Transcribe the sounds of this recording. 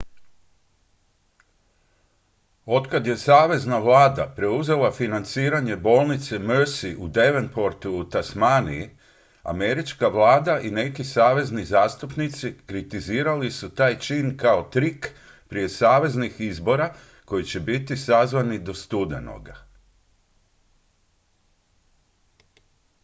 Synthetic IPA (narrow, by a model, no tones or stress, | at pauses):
o̞t̪kad̪je̞saːʋe̞znaʋlˠaːd̪apɾe̞uze̞lˠafinant̪siːɾaɲe̞bo̞ːlˠnit̪semøɾsiʔud̪e̞ʋenpo̞ɾt̪uːt̪asmanḭi | a̰me̞ɾit͡ʃkaʋlˠaːd̪aʔine̞kisaːʋe̞znizaːst̪upnit̪sikɾit̪iziːɾalisut̪aːjt͡ʃinkao̞t̪ɾik | pɾije̞saːʋe̞znixizbo̞ɾa | ko̞jit͡ɕe̞bit̪isazʋanid̪o̞st̪ud̪eno̰ɡa